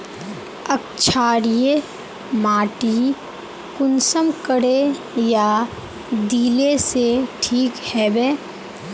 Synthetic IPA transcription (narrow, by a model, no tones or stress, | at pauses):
ək̚t͡ʃʰaːɽije | maːʈi | kʊnsəmkəɽe | ja | d̪iːleseʈʰiːkhɛːbeː